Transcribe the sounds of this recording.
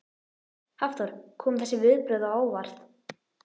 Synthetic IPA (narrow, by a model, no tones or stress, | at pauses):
haft̪ɔɾ̥kʰɔːmθɛsːɪvɪðpɾœɥðawaːwvaɾ̥θ